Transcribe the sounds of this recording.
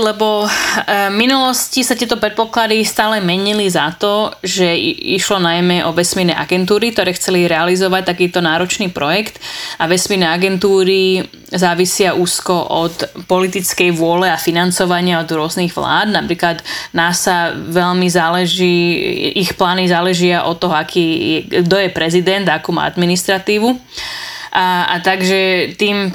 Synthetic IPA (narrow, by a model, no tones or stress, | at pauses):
lɛbɔ | minulɔscisat̪ɪɛt̪ɔpɾɛt̪̚pɔklad̪ist̪aːlɛmɛɲilizat̪ɔʒɛiʃlɔnajmɛʔɔʋɛsminɛ̰ːʔa̰ɡɛnt̪̬uːɾikt̪ɔɾɛːxt͡sɛliɾɛalizɔʋac̚t̪akiːt̪ɔnaːɾɔt͡ʃniːpɾɔjɛkt̪aʋɛsmiːɾnɛːaɡɛnt̪uːɾi | zaːʋisɪaʔuːskɔʔɔt̪pɔlit̪it͡skɛjʋʊɔlɛafinant͡sɔʋaɲɪaɔd̪ɾʊɔzniɣʋla̰ːd̪napɾiːklad̪nasaʋɛlmizaːlɛʒiːixplaːnizaːlɛʒɪaʔɔt̪ːɔɦɔakʰiːjɛɡd̪ɔjɛpɾɛzid̪ɛnd̪akuːma̰ːa̰d̪minist̪ɾat̪iːʋu | a̰t̪aɡʒɛt̪iːm